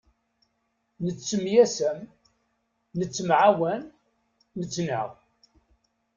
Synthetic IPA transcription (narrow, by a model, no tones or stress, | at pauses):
nət͡sːəmjæsæm | nət͡sːəmʕawænː | ət͡sːnə̰ʁ